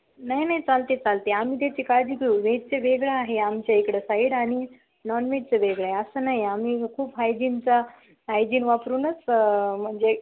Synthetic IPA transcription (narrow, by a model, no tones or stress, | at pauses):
naɦinaɦit͡salt̪et͡salt̪eam̤iːt̪̬at͡ɕikad̪ikɭuʋeʈ̚t͡seʋeɡɭaːɦeamt͡ɕjaekɽəsaiɽaɽ̃i | nɔnʋeʈ̚t͡seʋeɡɭaɦeəsəːnaɦiam̤iːkʰuːpɦajd͡ʑiːnt͡sa | ɦajd͡ʑiːnʋapɾuːnət͡sm̤əɳd͡ʑe